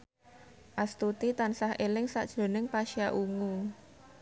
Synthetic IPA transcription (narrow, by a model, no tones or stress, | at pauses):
ʔast̪ut̪it̪ansahʔelɪŋsa̰ʔd̥ʒ̥o̤nɪŋpaʃiaʔuŋu